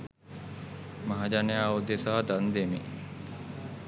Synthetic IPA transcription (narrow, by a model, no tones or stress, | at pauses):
maɦad͡ʒanejaːud̪esaːd̪and̪emḛ